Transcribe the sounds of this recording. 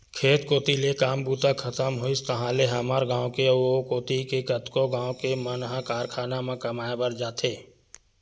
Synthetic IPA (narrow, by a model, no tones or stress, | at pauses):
kʰeːt̪koːt̪ilekaːmbuːt̪akʰət̪əmɦʊist̪əɦãleɦɐmaːɾɡãːwõkeokoːt̪ikekət̪koɡãːõkemənɦãkaːɾkʰaːnamãkɐmaːebəɾd͡ʒaːt̪ʰeː